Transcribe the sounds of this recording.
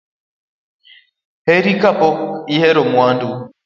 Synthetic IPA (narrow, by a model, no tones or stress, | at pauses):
hɛɾikapɔihɛɾɔmwando